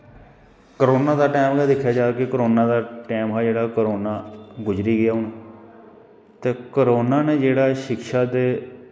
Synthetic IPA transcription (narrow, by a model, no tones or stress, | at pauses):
kəɾoːnaːd̪aːʈeːmɡaːd̪ɪkʰːjaːd͡ʒaːkekəɾoːnãːd̪aːʈɛːmɦɛːd͡ʒeːɽaːkəɾoːnaːɡʊd͡ʒɾiːɡɪjaːɦʊn | t̪eːkəɾoːnaːneːd͡ʒeːɽaːʃɪkʃaːt̪eː